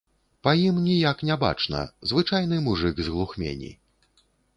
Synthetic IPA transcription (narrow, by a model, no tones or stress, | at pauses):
pajimnʲijaknʲɛba̰t͡ʂnɐ̰zvɨt͡ʂajnɨmuʐɨɡzɣlˠuxmʲḛnʲḭ